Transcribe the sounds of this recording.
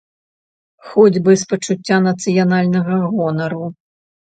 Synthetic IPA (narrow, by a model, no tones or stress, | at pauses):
xɔd͡zʲbɨspɐt͡ʂut͡sʲːanɐt̪sɨjanalʲnɐɣɐɣɔnɐɾu